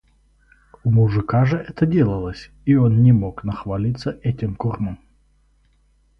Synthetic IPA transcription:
ʊmʊʐɨkaʐɨʔɛt̪ədʲe̞lˠəlˠəsʲ | ionnʲɪmoknəxvalʲit̪sːəʔɛtʲɪmkorməm

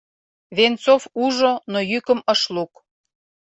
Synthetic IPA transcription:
βent͡sofuʒonojykəməʃluk

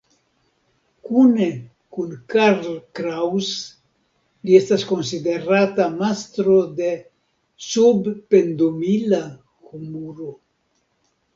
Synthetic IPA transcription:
kune | kunkaɾlkɾaws | liest̪askonsid̪eɾat̪amast̪ɾod̪e | subpend̪omila | xumuɾo

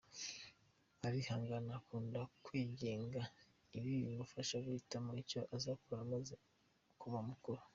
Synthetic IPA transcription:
aβihaːŋɡanakuːndakwiːɟe̞ːŋɡa | iβijiβufaʃaɡuhitamaicoʔazakuβamaze | kuβamukuɾo

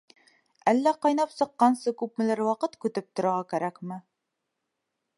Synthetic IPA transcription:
ælːæqɑjnɑpsɤ̆qːɑnsɤkʉp̚mɘ̆læɾwɑqɤt̪kʉt̪ɘp̚t̪ŏɾɑʁɑkæɾækmɘ

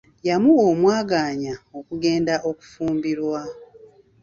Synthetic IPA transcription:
jamuomwaːɡaːɲao̞kuɡe̞ːndaʔo̞ku̥fuːmbiɾwa

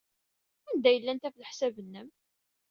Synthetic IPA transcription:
ænd̪æjəlːænt̪æfləħsævənːəm

